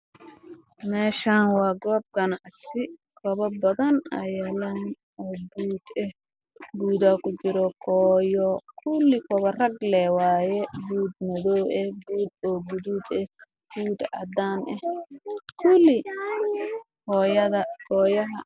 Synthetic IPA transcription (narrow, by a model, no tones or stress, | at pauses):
mɛːʃaːnwɑːɡɔːb̚ɡɐnɑʕsɪkʰɐβɐbɐðɐnɐjɐlɐn | ɔːɡuːd̪ɛh | ɡuːd̪ɐkʰʊt͡ʃɪɾɔkʰɔːjɔkʰʊlːɪkʰɔβɐrɐɡlɛːwɑːjɛɡuːd̪̚mɐðɔːɛhɡuːd̪ɔːɡʊðuːd̪ɛh | ɡ̥uːd̪ʕɑ̰d̪aːnʔɛhkʰʊlːɪ | hɔːjɐðɐkʰɔːjɐɦɐ